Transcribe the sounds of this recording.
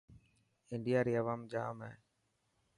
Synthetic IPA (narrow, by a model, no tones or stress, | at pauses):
ɪɳɖɪjaːɾiːɐʋaːmd͡ʒaːmɛː